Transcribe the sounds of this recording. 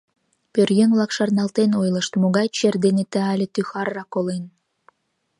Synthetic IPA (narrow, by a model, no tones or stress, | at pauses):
pʲørjəŋβlˠɑkʃɑrnɑlˠt̪enojlə̆ʃt̪moɣɑjt͡ɕerd̪enet̪ə̆ɑlʲĕt̪yxɑrːɑkːolen